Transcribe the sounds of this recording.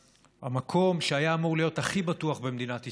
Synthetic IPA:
a̰makʰo̞mʃeajaːmuʁlijo̞thaχibatuaχbemd̪inati

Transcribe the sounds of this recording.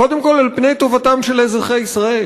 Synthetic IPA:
o̞d̪e̞mko̞lalpne̞jt̪o̞vatamʃe̞lhezʁeχejisʁae̞

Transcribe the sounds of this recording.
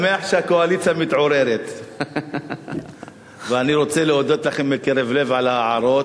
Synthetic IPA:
meaħʃeakoalit͡sjamit̪ʕo̞ɾeɾet̪ | veaniɾo̞t͡seleod̪o̞t̪laχembekeɾevle̞vʕalaːʕaɾo̞t̪

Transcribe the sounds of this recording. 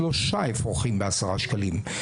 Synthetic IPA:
loʃaɪfʁoχimbasəʁaʃkəlim

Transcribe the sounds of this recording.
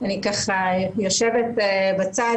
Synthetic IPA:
anikaχajoʃevet̪ebat͡sa

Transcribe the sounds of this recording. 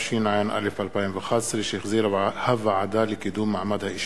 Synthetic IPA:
ʃiːnʕajnʔa̰lːɪfalpaːjɪmvaxɑːsˤːliʃxziːɾhavaʕad̪aːlɪkɪd̪uːmːaʕmad̪haʔɪʃ

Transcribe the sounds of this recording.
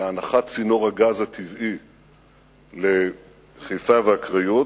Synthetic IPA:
naχatt͡sino̞ʁhaɡazhat̪ʰivi | le | χejfaveakʁaju

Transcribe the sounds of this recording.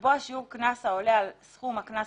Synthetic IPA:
boaʃiuʁknasao̞lealsχumaknas

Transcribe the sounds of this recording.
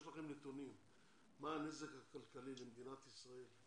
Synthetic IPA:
laχimlet̪onim | maːnezekakalkalilemd̪inat̪isʁael

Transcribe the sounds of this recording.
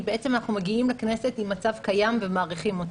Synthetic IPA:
beet͡se̞manaχnumeɡiimlekne̞se̞timːat͡savkajamvemaːʁiχimo̞t

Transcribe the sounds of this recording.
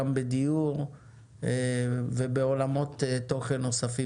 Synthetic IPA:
ambed̪ijuʁ | vebeo̞lamo̞t̪et̪ːo̞χenːo̞safi

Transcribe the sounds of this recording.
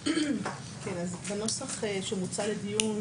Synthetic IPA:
kʰenazbano̞saχeʃemut͡saledijun

